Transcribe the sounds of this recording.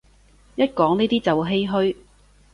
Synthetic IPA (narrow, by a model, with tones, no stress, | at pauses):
jɐ˥t̚kɔː˨˥ŋniː˥t̪iː˥t͡sɐ˨wɦe˥jɦɵ˥ɥ